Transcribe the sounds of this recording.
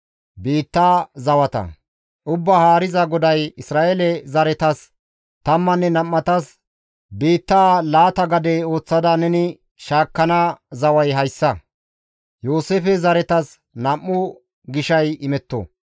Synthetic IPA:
biːt̪ːaːzɐwɐt̪ɐ̰ | ʔʊbːahaːɾɪzɐɡɔd̪ɐjɪsɾaːʔelɛzɐɾɛt̪ɐs | t̪ɐmːɐnːɛnɐmːɐt̪ɐs | biːt̪ːaːlaːt̪ɐɡɐd̪ɛo̞ːt͡sːɐd̪ɐnɛnɪ | ʃaːkːɐnazɐwɐjɦɐjsːɐ | joːseːfɛzɐɾɛt̪ɐs | nɐmːʊ | ɡɪʃɐjɪmɛt̪ːɔ̰

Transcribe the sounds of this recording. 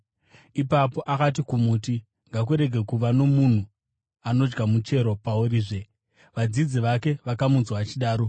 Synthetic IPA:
ipapo̞ʔakat̬ikumuːti | ŋɡak̬uɾe̞ɡʱe̞kuʋano̞mun̤u | ano̞d͡ʒɡamut͡ʃe̞ɾo̞pauɾiːʐe̞ | ʋad͡zid͡ziʋake̞ʋakamunzwaːt͡ʃiɗaːɾo̞

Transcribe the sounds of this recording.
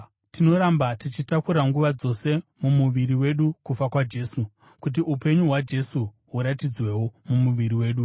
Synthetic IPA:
tino̞ɾambatit͡ʃitakuɾaŋɡuʋad͡zo̞se̞mumuʋiɾiwe̞ɗukufakwad͡ʒe̞ːsu | kut̬iʔupe̞ɲuɦwad͡ʒe̞su | ɦuɾatid͡zwe̞womumuʋiɾiwe̞ːɗu

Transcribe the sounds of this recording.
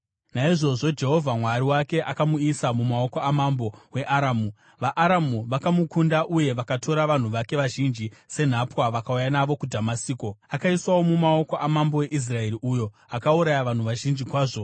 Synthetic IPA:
naiʐo̞ʐo̞d͡ʒe̞ɦo̞vʱamwaɾiwake̞ʔakamuisamumao̞ko̞amambo̞we̞ʔaɾamu | ʋaʔːɾamuʋakamukundaʔuje̞ʋakatʰo̞ɾaʋan̤uʋake̞ʋaʒind͡ʒise̞n̤apwaʋakaujanaʋo̞kudʱamasiːko̞akaiswawo̞mumao̞ko̞ʔamambo̞we̞ʔis̬rae̞ɾiʔujo̞ | akauɾajaʋan̤uʋaʒind͡ʒikwaːʐo̞

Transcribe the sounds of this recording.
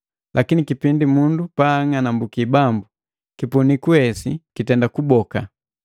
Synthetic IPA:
lʔakinikipindimundupaːŋanambukibambu | kipunikuɛsikitɛndakubɔka

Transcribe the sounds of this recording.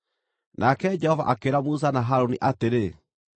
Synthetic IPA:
nʔakɛd͡ʒɛhɔva̰ʔakeɾamus̬anaɦaɾoniʔateɾe

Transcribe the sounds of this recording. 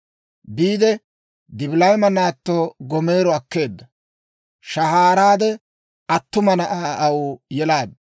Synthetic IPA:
biːd̪ɛ | d̪ɪbɪlɐjmɐnaːt̪ːoːɡɔme̞ːɾɔɐkːe̞ːd̪ːɐ | ʃɐhaːɾaːd̪ɛ | ɐt̪ːʊmɐnɐʔaɐwʊjɛlaːd̪ɐ

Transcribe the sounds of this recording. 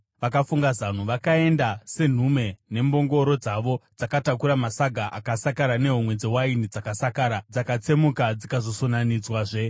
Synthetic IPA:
ʋakafuŋɡazan̤uʋakae̞ndase̞n̤ume̞ne̞mbo̞ŋɡo̞ɾo̞d͡zaʋo̞d͡zakatakuɾamasaɡʱaʔakasakaɾane̞ɦumwe̞d͡zewainid͡zakasakaːɾad͡zakat͡se̞mukad͡zikazo̞so̞nanid͡zwaːʐe̞

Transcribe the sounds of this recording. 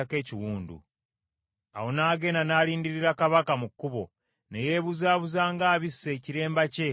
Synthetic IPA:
ake̞ːciwuːndṵ | a̰wo̞naːɡe̞nanaːliːndiɾiɾakaβakamukːuβo̞ | neje̞ːβuzaːβuzaːŋɡaːβisːe̞ːciɾe̞ːmbace̞

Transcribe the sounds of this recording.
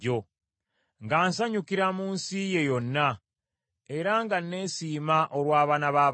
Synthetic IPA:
o̞ | ŋɡaːnsaɲukiɾamuːnsije̞jo̞nːa | e̞ɾaŋɡanːe̞ːsiːmaʔo̞ɾwaːβaːnaβaː

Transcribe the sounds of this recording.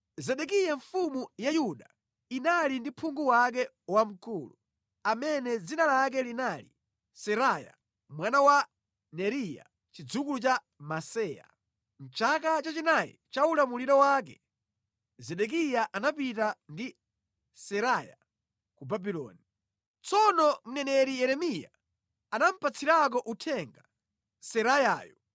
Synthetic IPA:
zɛɗɛkijaɱfumujajuɗa | inalindipʰuŋɡuwak̬ɛ | wam̩kuːlu | amɛnɛd͡zinalak̬ɛlinalḭ | sɛɾaja̰ | mwanawa | nɛɾija̰ | t͡ʃid͡zukulut͡ʃa | masɛja̰ | n̩t͡ʃak̬at͡ʃat͡ʃinajɛ̰t͡ʃaulamuliɾɔwak̬ɛ | zɛɗɛk̬ijaʔanapitandi | sɛɾaja̰ | kubabilɔ̰ːni | t͡sɔnɔm̩nɛnɛɾijɛɾɛmija̰ː | nam̩pʰat͡sʰiɾak̬ɔʔutʰɛŋɡa | sɛɾajaːjɔ

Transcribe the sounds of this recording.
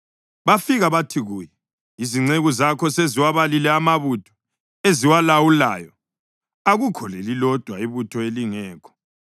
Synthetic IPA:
βafiɣaβatʰiɣujɛ | iziŋ͡ǀeɣuzakʰɔseziwaβalilɛamaβutʰɔ̥ | eziwalawula̰ːjɔ | aɣukʰɔlɛlilɔd̥ʱwaiβutʰɔeliŋɛːkʰɔ̥

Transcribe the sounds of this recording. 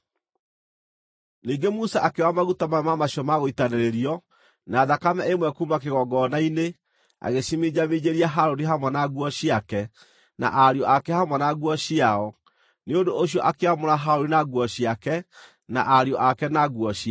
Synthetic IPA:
niːɡemusaʔakewamaɣutamamamaɕjɔmaɣoitaneɾeɾiɔ | naːðakamɛemwɛkumakeɣɔɡɔːnaine | a̰ɣeɕimid͡ʑamid͡ʑeɾiaɦaɾoɾiɦamwɛnaɣwɔɕiakɛ | na̰ʔaɾjɔakɛhamwɛnaɣwɔɕiaɔ | neondooɕ̬iɔʔakeamoɾaɦaɾoɾinaɣwɔɕiakɛ | na̰ʔaɾjɔʔakɛnaɣwɔɕia

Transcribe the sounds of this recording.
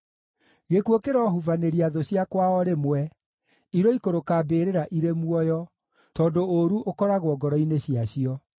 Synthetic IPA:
ɣekwokeɾɔɦuvaneɾiaðoɕjakwaɔɾemwɛ | iɾɔikoɾokabeːɾeɾaʔiɾemuɔjɔ | tɔːdooɾuʔokɔɾaɣwɔɡɔɾɔineɕiaɕiɔ

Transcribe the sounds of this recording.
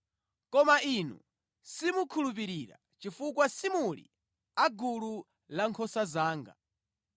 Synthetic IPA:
kɔmainṵ | simukʰulup̬iɾiɾa̰ | t͡ʃifukwasimulḭ | aɡulu | laŋkʰɔsazaːŋɡa̰

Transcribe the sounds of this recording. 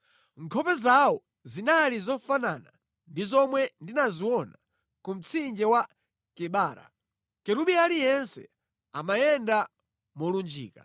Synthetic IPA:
ŋkʰɔpɛzawɔ | zinalizɔfanana̰ | ndizɔmwɛndinaziwɔna | kum̩t͡sʰind͡ʒɛwa | kɛɓaːɾa̰ | kɛɾuɓialijɛnsɛ̰ | amajɛnda | mɔlund͡ʒḭːka̰

